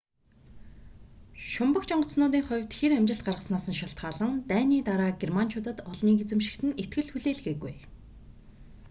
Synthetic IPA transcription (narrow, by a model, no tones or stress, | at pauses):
ʃʊmpə̆kt͡ɕɔɴɢɞ̆t͡ssnʊːt̪iːŋχʊwʲt̪xeɾæmʲt͡ɕɪ̆ɬt̪̚ɢarʁə̆snaːsə̆nʃaɬt̪ɢaːɮə̆nt̪æːniːt̪aɾaːɡermant͡ɕʰʊt̪ə̆t̪ɔɮniːɡet͡sɘ̆mʃɪ̥̆kt̪ɘ̆net̪̚ɡɘ̆ɮxuɮeːɮɣeːɣuj